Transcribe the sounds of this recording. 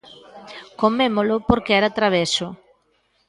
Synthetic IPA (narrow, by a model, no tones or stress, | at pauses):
komemolʊpoɾkeɛɾat̪ɾaβ̞esʊ